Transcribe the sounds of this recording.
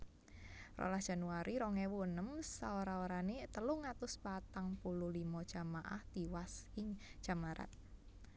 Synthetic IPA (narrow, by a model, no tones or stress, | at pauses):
rɔ̰lasd̥ʒ̥a̤nuaɾʔiɾɔŋɛwunəmsa̰oɾaoɾanet̪əluŋat̪ʊspat̪aŋpuluhlimɔ̥ʒ̥a̤maʔa̰ht̪iwasɪŋ̥ʒ̥a̤maɾa̰t̪̚